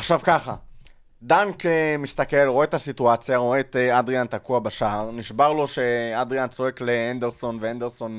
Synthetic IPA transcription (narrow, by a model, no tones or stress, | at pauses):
aχʃavkaχa | d̪aŋkemist̪ake̞lʁo̞et̪asituat͡sjaʁo̞eːt̪ad̪ʁiant̪akuabaʃaːʁniʃbaʁlo̞ʃe̞ad̪ʁijant͡so̞e̞kleand̪eʁso̞nveand̪eʁso̞n